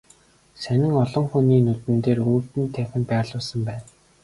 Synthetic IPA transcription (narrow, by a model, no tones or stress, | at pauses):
sænɪ̆ŋɔɮɞ̆ŋxuniːnut̪ɘ̆nt̪eːruːt̪ɘ̆nt̪ʰæxʲɘ̆mpæːɮʊːsə̆mpæːn